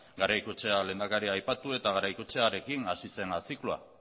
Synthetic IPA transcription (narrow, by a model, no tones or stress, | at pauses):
ɡaɾajkut͡ʃe̞ale̞ːnd̪akaɾiajpat̪ue̞t̪aɣaɾajkut͡ʃe̞aɾe̞kinasise̞nasiklua̰